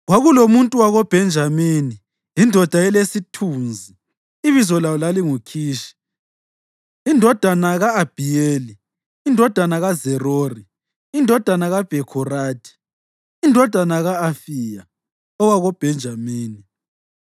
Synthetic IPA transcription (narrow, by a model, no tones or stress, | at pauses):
ɣwaɣulomuntʼuwaɣɔb̥ʱɛnd͡ʒʱamini | jindʱɔd̥ʱaɛlesitʰuːnd͡zʱi | iβizɔlawɔlaliŋukʰiːʃi̥ | indʱɔd̥ʱanaɣaːb̥ʱijeːli | indʱɔd̥ʱanaɣazɛrori | indʱɔd̥ʱanaɣab̥ʱɛkʰɔraːdʰʱʼi̥ː | ndʱɔd̥ʱanaɣaːfija | ɔwaɣɔb̥ʱɛnd͡ʒʱamiːni